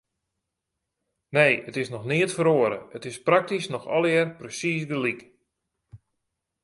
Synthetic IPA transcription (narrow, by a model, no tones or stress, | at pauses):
nejətɪsnɔxnɪətfəɾoəɾə̰ətɪsprak̚tisnɔxɔ̰lˠɪrprəsisdəlik